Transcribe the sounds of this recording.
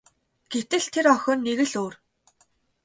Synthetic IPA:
ɡ̥et̪ɘ̆ɮt̪ʰeɾœxʲɔ̆ːnːeɣɘ̆ɮoːr

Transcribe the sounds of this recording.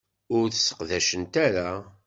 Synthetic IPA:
ʊɾθəsːə̥qðæʃənt̪æɾa

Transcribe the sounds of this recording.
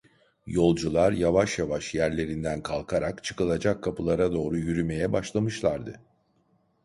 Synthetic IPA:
jo̞lˠd͡ʒulˠaɾjavaʃjavaʃjæɾlʲe̞ɾind̪ænkʰalˠkʰaɾakt͡ʃʰɯ̥kɯlˠad͡ʒakʰːapʰɯlˠaɾad̪o̞ːɾujyɾyme̞jɛbaʃlˠamɯʃlˠaɾd̪ɯ

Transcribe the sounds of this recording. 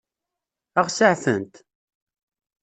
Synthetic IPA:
əʁsaʕθənt̪

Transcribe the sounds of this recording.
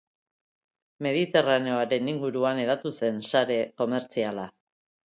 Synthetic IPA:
me̞ðit̪e̞rane̞oaɾe̞niŋɡuɾuane̞ðat̪use̞nsaɾe̞ko̞me̞ɾt͡siala

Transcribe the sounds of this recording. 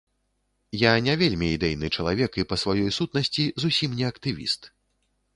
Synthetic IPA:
janʲavʲelʲmʲiːd̪ɛjnɨt͡ʂɐlˠavʲɛkipɐsvajɔjsut̪̚nɐsʲt͡sʲizusʲimnʲɛɐkt̪ɨvʲḭst̪

